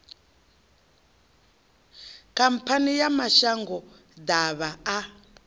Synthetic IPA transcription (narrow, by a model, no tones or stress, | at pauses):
kampʰanijamaʃaŋɡɔ | d̪aβaː